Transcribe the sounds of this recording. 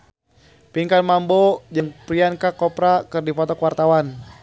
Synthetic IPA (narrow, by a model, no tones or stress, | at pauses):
piŋkanmambod͡ʒɨŋpɾiankakɔpɾakɨrdipɔt̪ɔkwart̪awan